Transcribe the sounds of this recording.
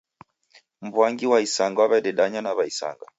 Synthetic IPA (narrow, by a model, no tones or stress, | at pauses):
m̩bwaŋɡiwaisaŋɡwaβaiɗɛɗaɲanaβaisa̰ŋɡa